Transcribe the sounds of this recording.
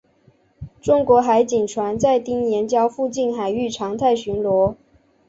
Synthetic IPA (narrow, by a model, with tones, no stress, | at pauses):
ʈ͡ʂʊ˥ŋkwɔ˧˥xa˧˥ɪt͡ɕi˨˩ŋʈ͡ʂʰwa˧˥nt͡sa˥˧ɪt̪i˥˩ŋjɛ˧˥nt͡ɕjɑ˥ʊfu˥˧t͡ɕi˥˩nxa˨˩ɪy˥˩ʈ͡ʂʰɑ˧˥ŋt̪ʰa˥˩ɪɕy˧˥nlwɔ˧˥